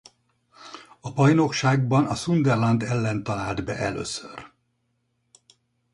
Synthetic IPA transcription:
ɒbɒjno̞kʃaːɡ̚bɒnɒsund̪ɛrlɒnd̪ɛlːɛnt̪ɒlaːld̪bɛ̰ʔɛ̰lø̰ːsør

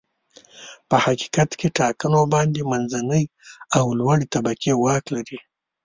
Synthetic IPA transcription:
pəhaki̥kat̪keʈɑkənobɑnd̪emanzanəjawlwaɽet̪abakewɑklaɾi

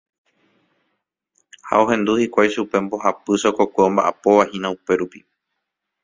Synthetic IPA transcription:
ha̰o̞ɦẽ̞nd̪uhikʷajʃupe̞mbo̞ɦapɨsokokʷeõ̞mbaʔapoʋahĩnãupe̞ɾupi

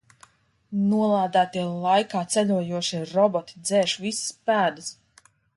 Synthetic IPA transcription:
nuɔlˠaːd̪æːt̪iɛlˠajkaːt̪sʲælʲuɔjuɔʃiɾɔbɔt̪i̥d̪zɛːʃvisspæːd̪ɨs

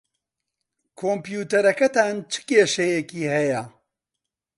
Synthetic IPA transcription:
kʰoːmpjuːt̪ɐɾɐkɐt̪aːnt͡ʃʰɨ̥keːʃɐjɛkiːhɐjɐ

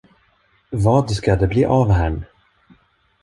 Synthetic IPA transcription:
vɑːd̪skad̪ɛblḭːʔavɦæɳ

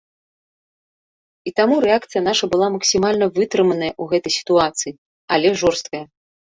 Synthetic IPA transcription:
it̪amuɾɛakt̪sɨjɐnaʂɐbɨlˠamɐksʲimalʲnɐvɨt̪ɾɨmɐnɐjɐʔuɣɛt̪ɐjsʲi̥t̪uat̪sɨji | alʲɛʐɔrst̪̚kɐjɐ

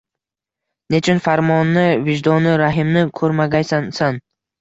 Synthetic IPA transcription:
net͡ʃʰɪnfaɾmɒnːɪvɪd͡ʒd̪ɒnɪɾaɦɪmnɪkʰɵɾmaɡʲajsansan

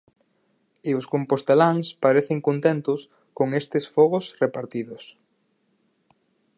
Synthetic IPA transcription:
ɪʊskompost̪elaŋspaɾeθeŋkont̪ent̪ʊs | koŋest̪ɪsfɔɣʊsrepaɾt̪iðʊs

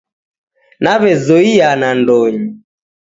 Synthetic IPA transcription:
naβɛzɔianandɔɲi

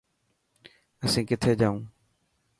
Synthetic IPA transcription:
əsĩːkɪt̪ʰeːd͡ʒaːũː

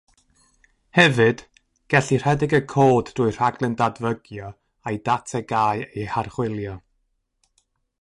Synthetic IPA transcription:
hɛvɨd̥ | ɡ̥ɛɬir̥ɛdɪɡəkʰoːddʊːɨr̥aɡlˠɨndadvəɡjɔ | ajdatʰɛɡaːjejharχwɪlˠjɔ

